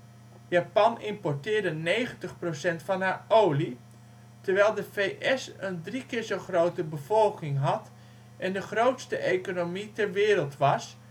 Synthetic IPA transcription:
japɑnɪmpɔɹtɪːɹdənejχəntəχprowsɛntfɑnɦaːɹowli | təɹʋɛjlˠdəvejʔɛsəndrikɪːɹzowχrowtəbəvɔlˠkɪŋɦɑt | ʔɛndəχrowtstəʔejkonomitɛɹʋɪːɾəlˠtʋɑs

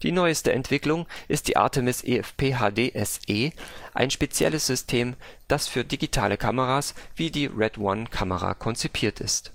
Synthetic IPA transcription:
d̥iːnɔʏəstəʔɛ̰ntv̥ɪklʊŋʔɪst̚d̥ḭːʔa̰ɐtʰəmɪsʔḛɛfpʰeːɦaːdeːʔɛsʔeːʔa̰ɪnʃpet͡sjɛ̰ləsz̥ʏstʰeːmd̥asfyːɐdiɡitʰa̰ːləkʰaməʁaːsv̥iːdiːʁɛdwankʰaməʁa̰kʰɔnt͡sipʰiːɐtɪ̰st

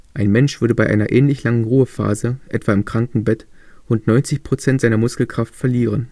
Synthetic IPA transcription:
ʔaɪnmɛnʃv̥ʏɐɾəbaɪʔa̰ɪnɐʔɛːnlɪçlaŋənʁuːəfa̰ːzəʔɛtv̥aːɪmkʁ̥aŋkŋ̩bɛt | ʊntnɔʏnt͡sɪçpʁ̥ot͡sɛntz̥aɪnɐmʊskl̩kʁ̥aftfɛɐliːʁ̞ən

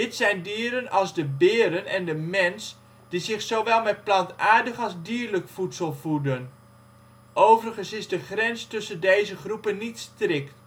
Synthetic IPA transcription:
dɪtsɛjndiːɾənɑlˠzdəbɪːɾənɛndəmɛns | d̥izɪxsoʋɛlˠmɛt̚plɑntaːɹdəχɑlˠzdiːəɹləkfutsəlˠvudən | ʔowvərχənsɪzdəχrɛnstɵsəndejzəχrupənːitstrɪkt

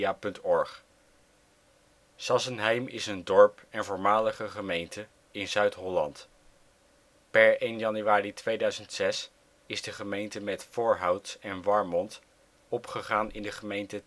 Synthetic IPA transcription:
aːpɵntɔɹχ | sɑsənɦɛjmɪ̰səndɔɹpɛnvʊːɹmaːləχəχəmejntə | ɪnzœɥtɦɔlɑ̰nt | pɛɹejnjɑnyʋaːritʋejdœɥzəntsɛs | ɪzdəχəmejntəmɛtfʊːɹɦɑwtsɛnʋɑɹmɔnt | ɔpχəχaːnʔɪ̰ndəχəmejntə

